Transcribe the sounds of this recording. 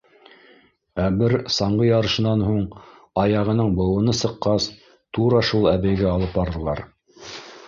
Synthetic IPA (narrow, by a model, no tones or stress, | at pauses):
æbɘɾsɑɴɢɤjɑɾɤ̆ʃɤ̆nɑnɦuɴ | ɑjɑʁɤ̆nɤɴbɤ̆wɤ̆nɤsɤ̆qːɑs | t̪uɾɑʃulˠæβɘjɡæɑlˠɤp̚bɑɾðɤ̆lˠɑ̰ɾ